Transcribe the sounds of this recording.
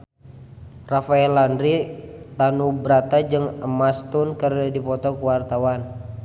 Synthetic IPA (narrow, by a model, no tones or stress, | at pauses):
rafaɛlandɾit̪anubɾat̪ad͡ʒɨŋəmast̪unkəradipɔt̪ɔkuwart̪awan